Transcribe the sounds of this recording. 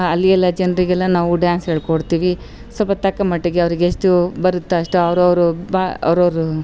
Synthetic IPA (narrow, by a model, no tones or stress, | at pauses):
ɐlːiɛlːɐd͡ʒɐnɾiɡɛlːɐnaːʋuɖjaːnsɦeːɭkoɽt̪iːʋi | sɔpɐt̪ɐkːɐmɐʈːeɡeɐʋɾiɡeesʈubɐɾut̪ːeɐʂʈuɐʋɐɾuɐʋɾubaɐ̰ʋɾɐʋɾu